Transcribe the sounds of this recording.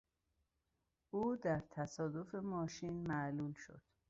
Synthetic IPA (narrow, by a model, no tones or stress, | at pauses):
ʔuːd̪æɾt̪ʰæsɒːd̪o̞femɒːʃiːnmæʔluːlʃo̰d̪̥